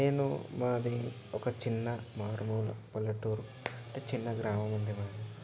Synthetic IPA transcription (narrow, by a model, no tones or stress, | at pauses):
neːnṵmɐnd̪i | ɔkɐt͡ʃinːɐmaːɾmuːlɐ̰pɐlːɐʈuːɾu | ɐɳʈet͡ʃinːɐɡɾaːmɐmund̪imaːd̪i